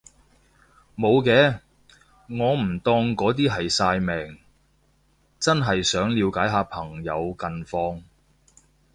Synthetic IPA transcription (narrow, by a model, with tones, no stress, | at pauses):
mo˨˧wkɛː˧˥ | ŋɔː˨˧m̩˨˩t̪ɔː˧ŋkɔː˨˥t̪̬iː˥ɦɐ˨jsaː˧jmɛː˨ŋ | t͡sɐ˥nɦɐ˨jsœː˨˥ŋliː˨˧wkaː˨˥jɦaː˨˧pʰɐ˨˩ŋjɐ˨˧wkɐ˨nfɔː˧ŋ